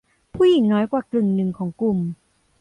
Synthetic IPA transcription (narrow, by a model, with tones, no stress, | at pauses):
pʰuː˥˩ji˨˩˦ŋnɔː˦˥jkwaː˨˩klɯ˨˩ŋnɯ˨˩ŋkʰɔː˩˦ŋklu˨˩m